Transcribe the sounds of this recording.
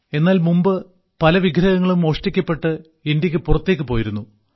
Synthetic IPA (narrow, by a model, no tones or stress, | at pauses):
e̞nːaːlmumbɨ | pɐlɐʋiɡʱɾɐɣɐŋːɐɭumo̞ːʂʈikʲːɐpːe̞ʈːɨ | indjɐk̬ʲːɨpurɐt̪ːeːk̬ʲːɨpo̞ːjiɾunːu